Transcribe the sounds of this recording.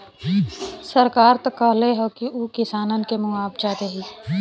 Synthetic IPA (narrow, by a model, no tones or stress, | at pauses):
səɾkaːɾt̪ɐkːəɦleɦokiuːkɪsaːnənkemʊ̃aːbd͡ʒaːd̪eɦiː